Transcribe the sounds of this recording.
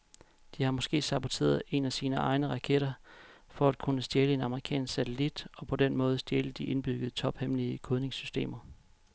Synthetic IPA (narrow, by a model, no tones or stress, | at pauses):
d̥ihɑ̈mɒ̽sɡ̥e̝̰ːsɑ̈b̥o̝t͡sʰe̝̰ːɐðˠe̝næsiːnəɑ̈ɪnəʁɑ̈kʰeɾ̥ɐfɒ̽æd̥kʰunəsd̥jeːləe̝nɑ̈məʁikʰɛ̰ːnssæt͡sʰelid̥ɒ̽pʰɒ̽d̥enmɔ̽ːðˠsd̥jeːləd̥iʔe̝nb̥yɡ̥əð̩ˠt͡sʰɒ̽b̥hemliəkʰoðˠne̝ŋsysd̥e̝̰ːmɐ